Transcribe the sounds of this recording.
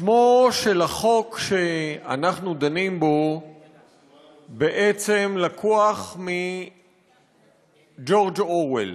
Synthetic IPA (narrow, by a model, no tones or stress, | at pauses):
ʃmoʃelaχokʃe̞a̰naχnud̪animbo̞ | beʔet͡se̞mlakʰoaχmi | d͡ʒo̞ʁd͡ʒowḛl